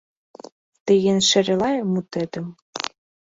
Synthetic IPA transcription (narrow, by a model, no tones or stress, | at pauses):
t̪eɣenʃĕɾelɑjmut̪ĕt̪ɘ̆m